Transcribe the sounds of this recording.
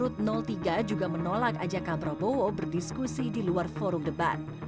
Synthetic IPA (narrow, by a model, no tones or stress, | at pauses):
ɾʊt̪̚nɔlt̪iɡad͡ʒuɡamənolakad͡ʒakabɾabowobərdiskusidiluarfoɾʊmdəba̰t̪̚